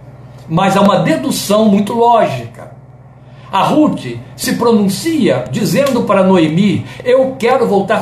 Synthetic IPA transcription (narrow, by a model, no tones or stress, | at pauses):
mɐzaũmɐd̪ed̪usɐ̃w̃mũj̃t̪ʊlɔʒikɐ | ɐɦut͡ʃɪsɪpɾonũsiɐd͡ʒizẽnd̪ʊpaɾɐnoemiewkɛɾʊvowt̪aɾ